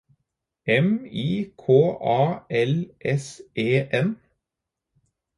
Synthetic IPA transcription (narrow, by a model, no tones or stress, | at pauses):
ɛmiːkʰoːʔɑːɛlʔɛsʔeːʔɛn